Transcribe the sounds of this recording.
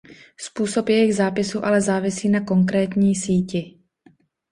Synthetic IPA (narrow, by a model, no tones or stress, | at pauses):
spuːso̞pjɛjɪɣzaːpɪsuːʔalɛzaːvɪsiːnako̞ŋk̬ɾɛːt̪ɲiːsiːcɪ